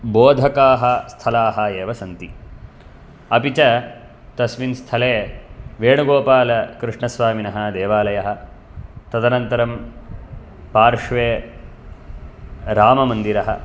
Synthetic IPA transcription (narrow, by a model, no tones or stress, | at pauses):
boːd̪ʱɐkaːɦɐst̪ʰɐlaːɦɐeːʋɐsɐnt̪i | ɐpit͡ʃɐ | t̪ɐsʋinst̪ʰɐleːʋeːɳuɡoːpaːlɐkɾiʂɳɐsʋaːminɐɦɐ̆d̪eːʋaːlɐjɐɦɐ̆ | t̪ɐd̪ɐnɐnt̪ɐɾɐm | paːɾʂʋeː | ɾaːmɐmɐnd̪iɾɐɦɐ̰